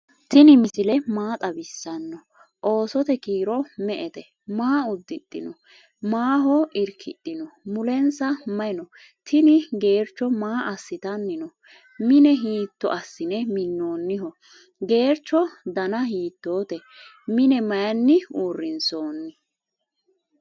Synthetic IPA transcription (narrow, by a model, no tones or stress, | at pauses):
t̪ɪnɪmɪsɪlɛmaːt̪ʼɐbɪsːɐnːɔ | ʔo̞ːsɔt̪ɛkiːɾɔmɛʔɛt̪ɛ | maːʊd̪ːɪt̪ʼːɪ̰nɔ | maːɦɔɪɾkʰɪ̰ɗ̪ːɪnɔmʊlɛnsɐmɐɪnɔ | t̪ʰɪnɪɡe̞ːɾt͡ʃːɔmaːʔɐsːɪt̪ɐnːɪnɔ | mɪnɛɦiːt̪ːɔ̰ʔɐsːɪnɛmɪnːo̞ːnːɪɦɔ | ɡe̞ːɾt͡ʃːɔd̪ɐnɐhiːt̪ːo̞ːt̪ɛ | mɪnɛmɐjɐnːɪuːrːɪnso̞ːnːɪ